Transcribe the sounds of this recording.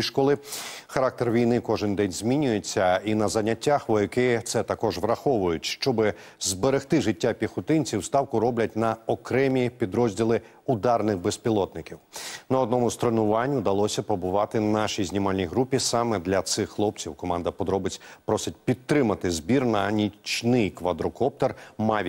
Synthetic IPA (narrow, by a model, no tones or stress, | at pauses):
ʃkɔlˠɪxɐɾɑk̚t̪erʋʲijnɪkɔʒɪnd̪ɛnʲzʲmʲinʲʊjet͡sʲːɐinɐzɐnʲːɐtʲːaxʋɔjɐkɪt̪sɛt̪ɐkɔʒʋɾɐxɔʋʊjʊtʲʃt͡ʃɔbɪ | zbeɾext̪ɪʒɪtʲːapʲixʊt̪ɪnʲt͡sʲiwst̪ɑwkʊɾɔblʲɐt̚ʲnɐɔkɾɛmʲipʲid̪ɾɔzʲdʲilˠɪ | ʊd̪ɑrnɪxbespʲilˠɔt̪nɪkʲiwnɐɔd̪̚nɔmʊst̪ɾɔnʊʋɑnʲːʊd̪ɐlˠɔsʲɐpɔbʊʋɑt̪ɪnɑʃijzʲnʲimɑlʲnʲijɦɾupʲisɑmɛd̪lʲɐt̪sɪxxlˠɔp̚t͡sʲiwkɔmɑnd̪ɐpɔd̪ɾɔbɪt͡sʲpɾɔsʲɪt̚ʲpʲit̪ːɾɪmɐt̪ɪzbʲirnɐnʲit͡ʃnɪjkʋɐd̪ɾɔkɔp̚t̪ɔrmɑʋʲ